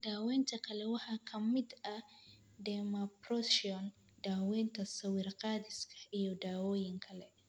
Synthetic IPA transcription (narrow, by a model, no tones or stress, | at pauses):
d̪aːwɛːnt̪ʰɐkʰɐlɛwɑħɑːkʰɐmɪd̪ɐ | dɛmɐpɾɔsiɔn | d̪aːwɛːnt̪ʰɐsɐwɪrqɑːðɪskʰɐ̥ijɔd̪aːwɔːjɪŋkʰɐlɛ